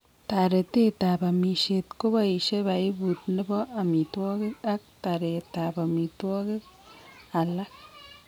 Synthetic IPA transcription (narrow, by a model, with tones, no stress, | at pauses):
t̪a˨ɾe˨t̪e˦t̪a˨ba˨mi˨ʃe˨t̪ko˦ba˦i˨ʃe˦ba˨i˦bu˨t̪̚nə˦bɔ˦a˨mi˨t̪ɔ˦ɡe˦ka˦k̚t̪a˨ɾe˨t̪a˨ba˨mi˨t̪ɔ˦ɡe˦k | a˨la˦k̚